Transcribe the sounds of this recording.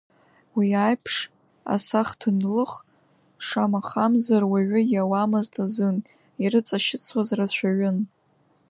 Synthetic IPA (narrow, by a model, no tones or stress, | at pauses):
wiajpʰʂ | a̰saχtʰɨnlɨχ | ʂamaχamzarwaɥʊjawamaztʰʼazɨn | iɾɨt͡sʼaʃɪt͡sʰwazrat͡ɕʷʰaɥʊn